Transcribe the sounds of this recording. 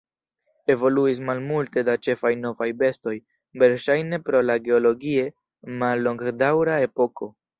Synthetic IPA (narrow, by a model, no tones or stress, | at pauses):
e̞vo̞luis̬malmulte̞dat͡ʃe̞fajno̞vajbe̞sto̞j | be̞ɾʃajne̞pɾo̞laɡe̞olo̞ɡie̞ | malːo̞ŋɡdawɾae̞po̞ko̞